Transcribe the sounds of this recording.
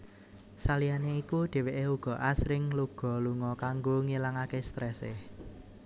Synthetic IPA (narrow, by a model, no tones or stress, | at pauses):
salijaneikuɖ̪̥e̤weʔeuɡ̥ɔ̤ʔasɾɪŋluɡ̥ɔ̤luŋɔkaŋɡoŋilaŋakest̪ɾɛse